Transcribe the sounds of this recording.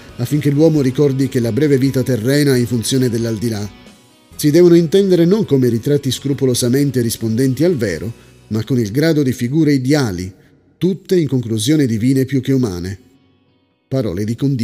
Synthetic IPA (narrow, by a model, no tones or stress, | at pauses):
afːiŋk̟elːwɔːmoɾikɔrd̪ik̟elːabɾɛːveviːt̪at̪erːɛːnaiɱfunt̪sjoːned̪elːald̪ila | sid̪ɛːvonoint̪ɛnd̪eɾenoŋkomeɾit̪ɾat̪ːiskɾupolozament̪eɾispond̪ɛnt̪ialvɛ̰ːɾo | makːonilɡɾaːd̪od̪ifiɡuːɾeid̪jaːlḭ | t̪ut̪ːeiŋkoŋkluzjoːnid̪iviːnepjukːeuma̰ːne | paɾɔ̰ːled̪ikond̪